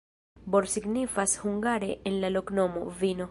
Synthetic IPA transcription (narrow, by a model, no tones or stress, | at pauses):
boɾsiɡnifashuŋɡaɾe̞ʔenlalokno̞mo̰vino̞